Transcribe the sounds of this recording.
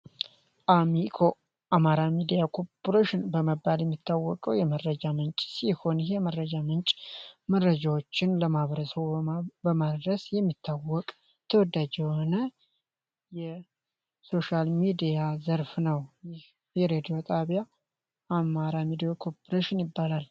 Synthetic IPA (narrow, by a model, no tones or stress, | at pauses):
ʔamikʰo̞ | ʔamaɾamid̪ijakʰopoɾeʃɪnbəməbːaljɛmːit̪ʰːawːɔkʼəwjɛmərːəd͡ʒamənt͡ʃʼsiho̞nɪheməɾːəd͡ʒamɨnt͡ʃʼməɾːəd͡ʒawot͡ʃːɪnləmaβɾəsəβbəmad̪ɾəsjɛmːit̪ʰːawːɔkʼ | t̪ʰəwɔd̪ːad͡ʒɛhonə | jɛ | so̞ʃalmid̪ijazəɾfnəwjɪh | jɛɾed̪ijo̞t̪ʼaβja | amaɾamid̪ijokʰo̞pʰoɾeʃɪnjɪbːalal